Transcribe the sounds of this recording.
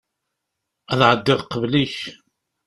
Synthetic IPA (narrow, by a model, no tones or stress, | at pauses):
æðʕəd̪ːɪʁqəvliç